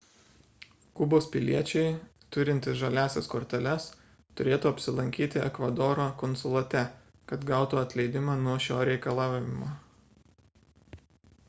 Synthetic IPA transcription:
kʊboːspʲɪlʲiɛt͡ʃʲɛɪ | t̪ʊɾʲɪnʲt̪ʲɪsʒɐlʲæːsʲɛskoːɾʲt̪ʲɛlʲɛs | t̪ʊɾʲeːt̪uːɐpʲsʲɪlˠɐŋʲkʲiːt̪ʲɪɛ̰kʋɐd̪oːɾoːkɔnsʊlˠɐt̪ʲɛ | kɐt̪ɡɑˑʊt̪uːɐt̪ʲlʲɛɪd̪ʲɪmɑːnuɔʃʲoːɾʲɛɪkɐlˠɑːʋʲɪɪmoː

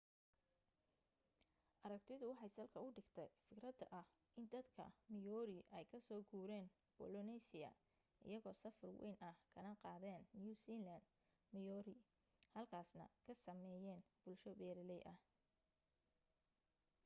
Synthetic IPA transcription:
ʔɐɾɐkt̪ʰɪðʊwɑħɑjsɐlkʰɐʊɖɪɡt̪ʰɛjfɪkɾɐd̪ɐʔɐh | ʔɪnd̪ɐd̪kʰɐ̰mɪjɔːɾɪʔɛjkʰɐsɔːɡuːɾɛːn | b̥ɔlɔnɛsɪjɐ̰ | ɪ̰jɐɣɔːsɐfɐrwɛ̰jnʔɐhkʰɐnɐqɑːðɛːnːjuːsiːland̪ | mɪjɔːɾɪ | hɐlkʰaːsnɐ̰kʰɐsɐmɛːjɛːnb̥ʊlʃɔbɛːɾɪlɛjʔɐh

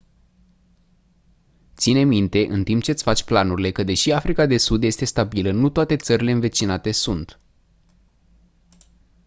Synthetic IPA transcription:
t̪sine̞mint̪e̞ʔɨnt̪impt͡ʃe̞t̪sʲfat͡ʃʲplanuɾile̞kəd̪e̞ʃiafɾikad̪e̞sud̪je̞st̪e̞st̪abilənut̪oat̪e̞t̪səɾile̞ɨnve̞t͡ʃinat̪e̞sunt̪

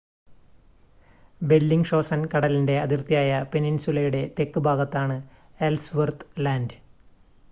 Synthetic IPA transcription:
be̞lːiŋɡʂo̞ːsɐnkɐɽɐlinde̞ɐðirt̪ijaːjɐpe̞ninsulɐjuɽe̞t̪e̞kːɨbʱaːɡɐt̪ːaːɳɨ | elsʋɐrt̪laːndɨ

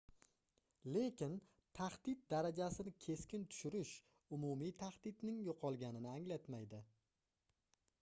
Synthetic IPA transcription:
le̞kʲɪn | t̪ʰaχd̪ɪt̪̚d̪aɾad͡ʒasɪnɪkʲʰe̞skʲɪnt̪ʰʊ̥ʃʊɾɪʃ | ʊmumijt̪ʰaχd̪̥ɪt̪nɪŋjoqʰɒlˠɡʲanɪnɪaŋlat̪majd̪ɪ

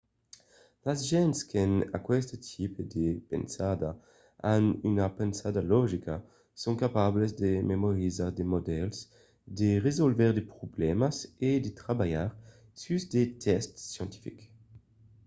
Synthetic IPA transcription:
lazʒɛnskena̰kwɛst̪ət̪ʰiped̪epḛnsad̪a | anynapensad̪alɔʒika | soŋkapablezd̪ememoʁizaʁd̪emod̪ɛls | d̪eʁezolvɛʁd̪epʁoblɛmased̪et̪ʁabajaʁ | syzd̪et̪ʰɛst̪ːjɑ̃nt̪i̥fik

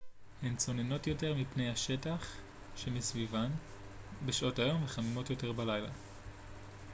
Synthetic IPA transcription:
hent͡so̞ne̞no̞tjo̞te̞ʁmipnejhaʃetaχ | ʃemisvivan | beʃo̞tajo̞mveχamimo̞tjo̞te̞ʁbalajla̰

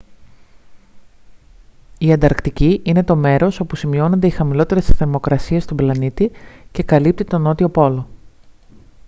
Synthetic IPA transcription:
iɐnd̪ɐɾkt̪iciʔine̞t̪o̞me̞ɾo̞so̞pusimio̞no̞nd̪e̞ixɐmilo̞t̪eɾe̞sθeɾmo̞kɾɐsie̞st̪oblɐnit̪ice̞kɐlip̚t̪it̪o̞no̞t̪io̞po̞lo̞

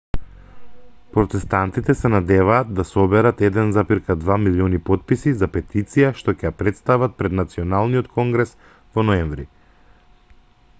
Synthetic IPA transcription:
pɾɔt̪ɛst̪ant̪it̪ɛsɛnad̪ɛvaːd̪̚ːasɔbɛɾat̪ɛd̪ɛnzapiɾkad̪vamiliɔnipɔt̪̚pisizapɛt̪it̪sijaʃt̪ɔcɛjapɾɛt̪st̪avat̪̚pɾɛd̪nat̪siɔnalˠnijɔt̪kʰɔŋɡɾɛs | vɔnɔɛɱvɾi

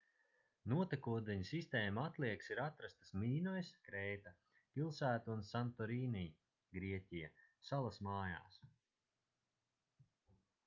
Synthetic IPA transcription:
nuɔt̪akuɔd̪ɛɲsist̪eːmaat̪lˠiɛksiɾat̪ɾast̪asmiːnɔjskɾɛjt̪a | pilˠsæːt̪unsant̪ɔɾiːnij | ɡɾiɛcʲijasalˠasmaːja̰ːs

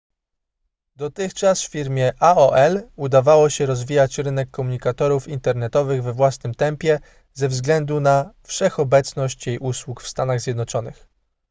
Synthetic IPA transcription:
d̪ɔt̪ɘxt͡ʂasffʲiɾmʲjɛʔaɔʔɛlud̪avawɔɕɛɾɔzvʲijat͡ɕɾɘnɛkːɔmuɲikat̪ɔɾufint̪ɛɾnɛt̪ɔvɘɣvɛvwasnɘmt̪ɛmpʲjɛ | zɛvzɡlɛnd̪unafʂɛxɔbɛt̪snɔɕt͡ɕjejʔuswukfst̪anaɣzʲjɛd̪nɔt͡ʂɔnɘ̰x

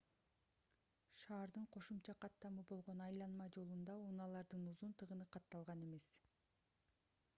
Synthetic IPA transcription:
ʃɑːɾd̪ɯɴqʰo̞ʃumt͡ʃɑqʰɑt̪ːɑmɯbo̞lˠʁo̞nɑjlˠɑnmɑd͡ʒo̞lˠund̪ɑunɑlˠɑɾd̪ɯnuzunt̪ɯʁɯnɯqʰɑt̪ːɑlˠʁɑne̞me̞s

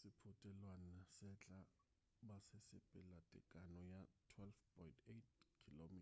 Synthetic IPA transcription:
ssɪpʰʊtʼɛlwanasɛt͡ɬʼa | basɪsɪpʼɪlatʼɪ̰kʼanɔjatʰwɛlfpʰɔjntʰet̚kʰilomiːt

